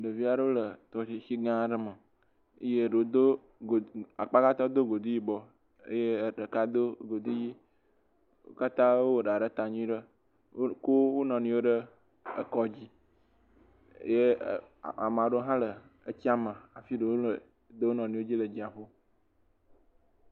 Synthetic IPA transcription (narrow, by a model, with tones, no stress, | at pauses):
ɖə˨vi˦a˨ɖə˦wo˦lə˨t̪ɔ˨i˨ʃi˦ɡã˦˨ɖə˦mə˨ | ə˦je˦ɖə˨wo˦d̪o˦˨ | a˨k͡pa˦ka˦t̪ɔ˦d̪o˦ɡo˨d̪u˦ji˦bɔ˦ | ə̰˦je˦˨ɖə˨ka˦d̪o˦ɡo˨d̪u˦ji˦ | o˦ka˦t̪ã˦wo˦wo˨ɖa˨ɖə˦t̪a˨ɲũ˦ĩ˦ɖə˦ | ko˦wo˦nɔ̃˨nĩ˨˦wo˦ɖə˦ | ə̰˦kɔ˦d͡ʑi˦ | je˦˨ | a̰˨m˨ã˨ɖo˦ɦã˦lə˨ | ə˦t͡ɕi˦a˦mə˨a˨fi˦ɖə˨wo˦lə˨ | d̪ə˦wo˦nɔ̃˨nũ˨wo˦d͡ʑi˦lə˨d͡ʑi˦a˨ɸo˦